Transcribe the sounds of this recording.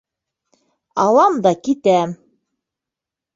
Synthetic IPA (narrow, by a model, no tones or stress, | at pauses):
ɑlˠɑmd̪ɑkit̪æm